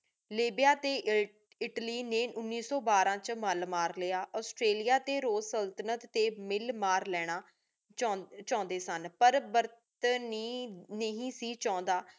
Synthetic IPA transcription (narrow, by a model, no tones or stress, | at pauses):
liːbɪjaːt̪eː | ɪʈliːneːʊnːiːsɔːbaːɾãːt͡ʃməlmaːɾleaːʔɔːsʈɾeːlijaːt̪eːɾoːzsəlt̪ənət̪ːeːmɪlmaːɾlɛːɽ̃aː | t͡ʃãːnd̪eːsənpəɾbəɾt̪niːnəɦĩːsiːt͡ʃãːnd̪aː